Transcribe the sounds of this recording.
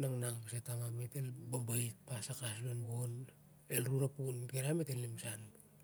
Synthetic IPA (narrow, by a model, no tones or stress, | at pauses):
naŋnaŋpsetaŋametelbambajt̚pasakas̬lonɡon | elɾuɾapunkeɾametelːimsan